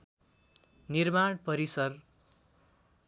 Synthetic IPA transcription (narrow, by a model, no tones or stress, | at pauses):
nirmaɳpʌɾisʌr